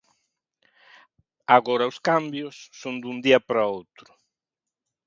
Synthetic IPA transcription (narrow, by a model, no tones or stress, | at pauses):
aɣɔɾɐuskambjʊsːond̪und̪iɐpɾaowt̪ɾʊ̥